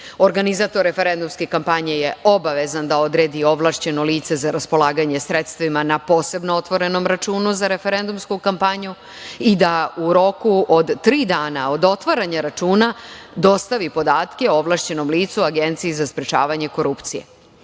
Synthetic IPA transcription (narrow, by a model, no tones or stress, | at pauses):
o̞ɾɡanizaːt̪o̞ɾːe̞feɾe̞nd̪umskekampaɲeje̞o̞baʋe̞zand̪ao̞d̪ɾe̞ːd̪io̞ʋlˠaːʃt͡ɕe̞no̞liːt̪se̞zaɾaspo̞lˠaːɡaɲe̞sɾe̞t̪st̪ʋimanapo̞ːse̞bnoot̪ʋo̞ɾe̞no̞mɾat͡ʃuːnuzaɾe̞fe̞ɾe̞nd̪umskukampaɲu | id̪auɾo̞kuod̪t̪ɾiːd̪aːnao̞d̪o̞t̪ʋaɾaɲaɾat͡ʃuːnad̪o̞st̪aʋipo̞d̪aːt̪keoʋlˠaʃt͡ɕe̞no̞mliːt̪suaɡe̞nt̪siizaspɾet͡ʃa̰ːʋaɲe̞ko̞ɾupt̪sijḛ